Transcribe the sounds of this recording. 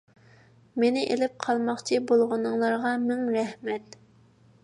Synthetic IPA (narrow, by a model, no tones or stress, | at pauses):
menɪʔelɪp̚qʰɑlˠmɑχt͡ʃʰibolˠʁʊnɨŋlˠɑɾʁɑmɪŋɾɛhmɛt̪